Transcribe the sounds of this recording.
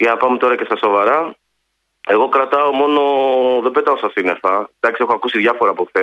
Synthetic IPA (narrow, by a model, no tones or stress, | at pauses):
eɐpɐmt̪o̞ɾɐce̞st̪ɐso̞vɐɾɐ | e̞ɣo̞kɾɐt̪ɐo̞mo̞no̞ðebe̞t̪ɐosɐsinefɐd̪ɐksiexoɐkusiðʝɐfo̞ɾɐːpoθe